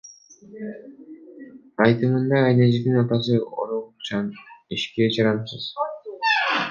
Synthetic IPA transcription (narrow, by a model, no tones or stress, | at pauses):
ɑjt̪ɯmɯnd̪ɑːjned͡ʒid̪inɑt̪ɑs̬ɯo̰ɾot͡ʃʰɑniʃked͡ʒɑɾɑnsɯz̥